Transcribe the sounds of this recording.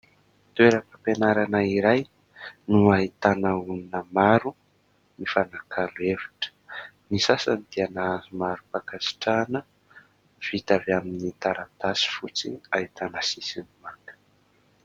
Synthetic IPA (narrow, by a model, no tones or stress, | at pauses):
t̪weɾəkapenaɾanaiɾaj | nuait̪anəuninəmaɾu | nifanakʰaluevḁʈ͡ʂə̥ | nisasanit̪ianaazumaɾupakasi̥ʈ͡ʂanə | v̥it̪avaminit̪aɾat̪asi̥fut͡siait̪anəsisinimaŋkə̥